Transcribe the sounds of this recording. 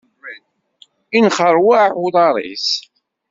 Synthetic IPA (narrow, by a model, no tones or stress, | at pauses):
inχəɾˤwaʕuðˤɑɾˤḭs